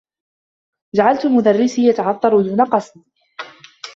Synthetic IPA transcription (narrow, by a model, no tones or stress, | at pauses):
d͡ʒaʕalt̪ʊlmʊd̪arːɪsiːjat̪aʕɑt̪ˤːɑɾˤud̪uːnaqɑsmiː